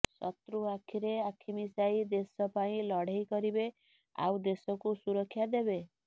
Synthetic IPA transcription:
sɔt̪ɾuakʰiɾeakʰimisaid̪esɔpaĩlɔɽ̤ejkɔɾibe | a̰wd̪esɔkusuɾɔkʰːjad̪ebe

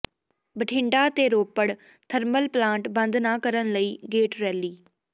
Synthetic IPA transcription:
bəʈʰɪ̃ɳɖaːt̪eːɾoːpəɽ | t̪ʰəɾməlplãːɳʈbənd̪naːkəɾənləiːɡeːʈɾɛːliː

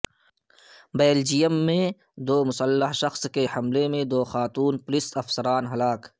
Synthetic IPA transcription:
beːld͡ʒijəmːẽ | d̪oːmʊsəlːəɦʃɐxskehɐmlemẽd̪oːxaːt̪uːnplɪsɐfsəɾaːnɦɐlaːk

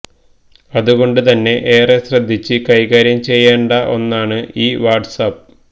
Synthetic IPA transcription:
ɐðuɣo̞ɳɖɨt̪ɐnːe̞ʔeːresrɐd̪ʱːit͡ɕːɨkɐjɣaːɾjɐmt͡ɕe̞jːeːɳɖɐʔo̞nːaːɳɨiːʋaːrɖsap

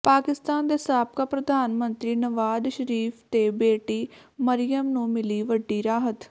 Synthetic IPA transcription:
paːkɪst̪aːnd̪eːsaːp̚kaːpɾəd̪ʱaːnmənt̪ɾiːnəʋaːd̪ʃəɾiːpʰt̪eːbeːʈiːməɾɪjəmnũːmɪliːʋəɖːiːɾaːɦət̪

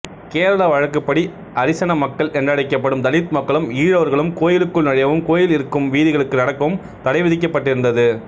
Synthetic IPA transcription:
keːɾɐlɐʋɐɻɐkːɯpːɐɽi | ʔɐɾɪsɐnɐmɐkːɐɭʔɛndrɐɽɐɪkːɐpːɐɽɯmt̪ɐlɪt̪mɐkːɐɭɯmiːɻɐʋɐɾɣɐɭɯmkoːjɪlɯkːɯɭnɐɻɐjɐʋɯmkoːjɪlɪɾɯkːɯmʋiːðɪɣɐɭɯkːɯnɐɽɐkːɐʋɯm | t̪ɐɽɐɪʋɪðɪk̬ːɐpːɐʈːɪɾɯnd̪ɐðɯ

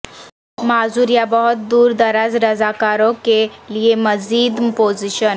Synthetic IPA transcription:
mad͡zuɾjabɔɦut̪̚d̪uːɾd̪əɾad͡zɾəd͡zakaɾɔkelijeməd͡ziːd̪pod͡ziɕən

